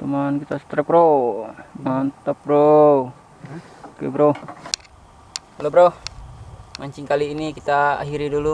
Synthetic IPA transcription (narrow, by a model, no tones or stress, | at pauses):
t̪umankit̪asə̥t̪ɾɛp̚ɾo | mant̪ap̚ɾo | kḛbɾo | lobɾoh | maɲt͡ʃiŋkaliːnikit̪aa̰ɦiɾidulu